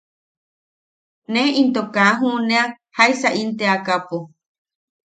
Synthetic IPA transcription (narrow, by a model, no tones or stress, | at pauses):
nẽʔint̪okaɦũnea | hajsaʔint̪eakapo